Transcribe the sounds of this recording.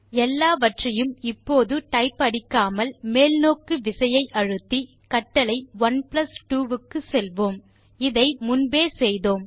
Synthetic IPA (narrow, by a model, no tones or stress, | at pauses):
ɛlːaːʋɐʈrɐjɯmɪpːoːðɯʈɐɪpːɐɽɪkːaːmɐlmeːlnoːkɯʋɪsɐjɐɪʔɐɻɯt̪ːi | kɐʈːɐlɐɪʋɐnplɐsʈuːʋɯkːɯsɛlʋoːm | ɪðɐɪmʊnbeːsɛjðoːm